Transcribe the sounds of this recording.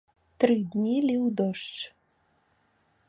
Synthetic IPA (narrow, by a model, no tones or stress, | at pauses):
t̪ɾɨd̪ʲnʲilʲiwd̪ɔʂt͡ʂ